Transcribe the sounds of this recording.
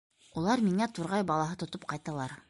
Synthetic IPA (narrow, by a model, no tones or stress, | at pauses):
ulˠɑɾmiŋæt̪uɾʁɑjbɑlˠɑɦɤt̪ŏt̪op̚qɑjt̪ɑlˠɑɾ